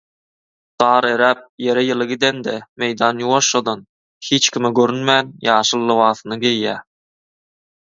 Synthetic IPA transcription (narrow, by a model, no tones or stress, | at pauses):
d̪̥ɑːɾeɾæːp̚je̞ɾejɯlˠɯɡid̪end̪eme̞jd̪ɑːnjuwoʃod̪on | hiːt͡ʃkʲimeɡøɾynmæːnjɑːʃɯlˠːɯwɑːθɯnɯɡejːæː